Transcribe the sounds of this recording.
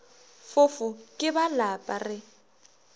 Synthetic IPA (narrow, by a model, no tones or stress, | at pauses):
fʊfʊkʼɪbalapʼarɪ